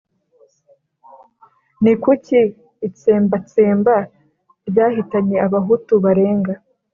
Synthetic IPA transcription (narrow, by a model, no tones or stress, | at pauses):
nikuciː | t͡se̞ːmbat͡seːmba | ɾɟaːhitaɲe̞aβaɦutuβaɾe̞ːŋɡa